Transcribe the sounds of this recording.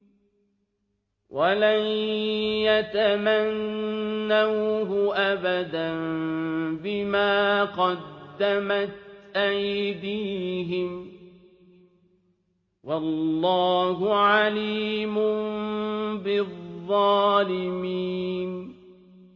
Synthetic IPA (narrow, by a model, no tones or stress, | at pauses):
wʔalanjat̪amanː | awɦʊʔabad̪an | bɪmaːqɑd̪ːamat̪ʔajd̪iːɦɪm | wɑllːɑːɦʊʕaliːmʊ | bɪðˤːɑːlɪmiːn